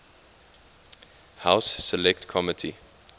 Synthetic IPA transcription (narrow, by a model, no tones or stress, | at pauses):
haʊsːɛlɛktkʰɔmɪtʰḭ